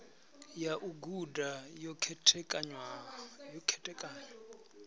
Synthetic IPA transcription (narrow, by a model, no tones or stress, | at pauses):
jaʔuɡudajɔkʰɛtʰɛkʼaɲwajɔkʰɛtʼɛkʼaːɲɔ